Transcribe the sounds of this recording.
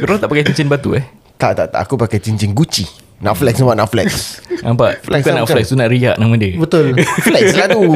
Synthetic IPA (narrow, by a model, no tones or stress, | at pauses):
kəɾolat̪aʔpakajt͡ʃiɲt͡ʃɪnbat̪ṵah | t̪aʔt̪aʔt̪a̰ʔakupakajt͡ʃiɲt͡ʃɪŋɡut͡ʃi | naʔflɛksnamaʔnaʔflɛ̰ksnãmpaʔflɛkkanaʔflɛkst̪unaʔɾiaʔnamãdəbət̪ʊlflɛkslatu